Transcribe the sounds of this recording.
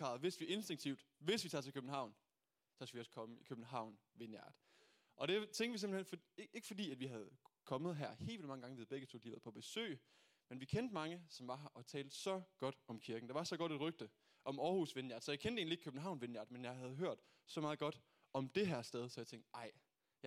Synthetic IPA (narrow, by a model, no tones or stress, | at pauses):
kʰɑ̰̈ːðˠʋe̝sʋie̝nsd̥e̝ŋt͡sʰiʊd̥ | ʋe̝sʋit͡sʰɑ̰̈ːt͡sʰekʰøb̥n̩ɦɑ̈ʊ̰n | sɒ̽skɡ̥æʋiɒ̽skʰɒ̽məikʰøb̥n̩ɦɑ̈ʊ̰n | ʋe̝njæɐd̥ | ʔɒ̽ɾ̥e̝t͡sʰeŋɡ̥ʋise̝mb̥l̩henfe̝ɡ̥ə̥fɒ̽dḭːæd̥ʋiɦæð̞ˠkʰɒ̽məð̞ˠɦæɐ̰he̝̰lʋilmɑ̈ŋəɡɑ̈ŋəʋiðˠb̥eɡ̥ət͡sʰo̰ːd̥iʋæɐð̩ˠpʰɒb̥e̝sø̰ː | menʋikʰend̥mɑ̈ŋəsɒ̽mʋɑ̈ɦʔɒ̽t͡sʰɛːld̥̩ˠsɒ̽ɡ̥ɒ̽d̥ɒ̽mkʰiɐɡ̥n̩d̥eʋɑ̈sɒ̽ɡ̥ɒ̽ɾ̥ed̥ʁœɡ̥̚d̥ə | ʔɒ̽mɒːhusʋenjæɐd̥sɒjɑɪkʰend̥e̝ːnlie̝ɡ̥kʰøb̥n̩ɦɑ̈ʊ̰nʋe̝njæ̰ːd̥menjɑ̈ɪhæð̞ˠɦøɐ̰d̥ | sɒ̽mɑ̈ːð̩ˠɡ̥ɒ̽d̥ | ɒ̽md̥e̝ɦæɐ̰sd̥eð̞ˠsɒ̽jaɪt͡sʰeŋ̰d̥ɑ̈ɪ | j